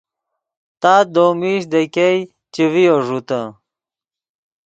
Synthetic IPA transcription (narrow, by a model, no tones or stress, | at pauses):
t̪aːd̪oːmiɕd̪ekej | t͡ɕivijoʐut̪ɐ̃